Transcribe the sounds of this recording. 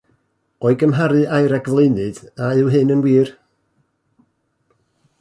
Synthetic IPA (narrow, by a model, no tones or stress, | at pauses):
ɔɨɡəmɦaɾɨʔajɾɛɡvlˠenɨd̥aɨwɦɨnənwiːr